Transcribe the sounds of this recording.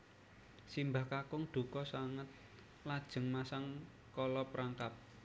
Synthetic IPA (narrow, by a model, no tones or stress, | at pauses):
simbahkakʊŋd̪̥ṳkɔsaŋət̪̚ | lad̥ʒ̥ə̤ŋmasaŋ | kɔlɔpɾaŋkap̚